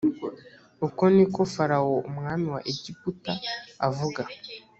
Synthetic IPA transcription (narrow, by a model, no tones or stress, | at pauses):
ukonikofaɾawoumŋaːmiwaʔeɟiputaa̰vuɡa